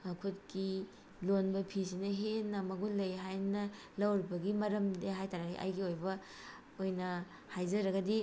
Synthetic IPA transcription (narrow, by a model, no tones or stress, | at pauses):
akʰut̚ki | lonbɐpʰisinɐɦenːɐmɐɡulɐjɦajnɐ | lɐwɾibɐɡimɐɾɐmdeɦajtaɾaɦḭʔa̰jɡiojbɐ | ojnɐ | hajzɐɾɐɡɐdi